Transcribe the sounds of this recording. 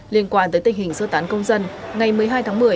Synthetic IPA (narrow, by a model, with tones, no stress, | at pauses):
li˧ənkwaː˧nt̪əː˨˦jt̪ï˨˩ŋhï˨˩ŋ̟sə˧t̪aː˨˦nkə˧wŋ͡mzə˧nŋa˨˩jmɨ˨˩əjɦaː˧jt̪ʰaː˨˦ŋmɨ˨˩əj